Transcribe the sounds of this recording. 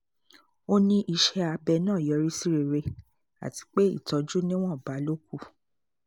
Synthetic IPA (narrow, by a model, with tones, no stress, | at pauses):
o˦nĩ˦ʔi˧ʃɛ˧a˧bɛ˧nãː˦˨jɔ˨˧ɾi˦si˦ɾe˧ɾe˧ | a̰˨ti̥˨˧˦k͡pe˦ḭ˦˨tɔ˧d͡ʒu˦nĩ˦w̃ɔ̃˦˨ba˨˦lo˦k̚u˦˨